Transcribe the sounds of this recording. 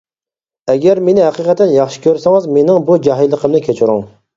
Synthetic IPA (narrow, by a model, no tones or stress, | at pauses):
ɛɡʲæɾmenɪhæqiqɛt̪ːɛnjɑχʃɪ̥kʲʰøɾsɛŋɨzmenɪŋbud͡ʒɑɦilˠːəqʰəmnɪkʲʰet͡ʃʰɪɾuŋ